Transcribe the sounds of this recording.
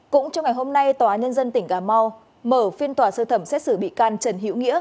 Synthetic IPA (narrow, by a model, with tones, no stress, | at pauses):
kʊ̰˧˥ŋ͡mt͡ɕɔ˧wŋ͡mŋa˨˩jɦo˧mna˧jt̪waː˨˦ɲə˧nzə˧nt̪ï˨˧˩ŋ̟kaː˨˩ma˧w | məː˧˩fi˧ənt̪waː˨˩səː˧t̪ʰə˧˩msɛ˦˥t̚sɨ˧˩ɓḭ˧˨kaː˨˧nt͡ɕə˨˩nɦḭ˧˥əwŋḭ˧˥ə